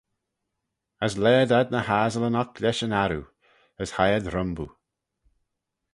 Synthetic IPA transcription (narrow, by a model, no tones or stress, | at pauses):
əslɛːdad̪̚nəhaːzələnɔklɛʃənaɾu | əshajədɾʊmbu